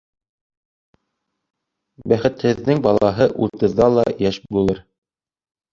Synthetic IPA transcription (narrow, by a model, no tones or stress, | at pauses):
bæχɘ̆t̪hɘ̆ðːɘŋbɑlˠɑɦɤʔuɾt̪ɤ̆ðːɑlˠɑjæʃbulˠɤɾ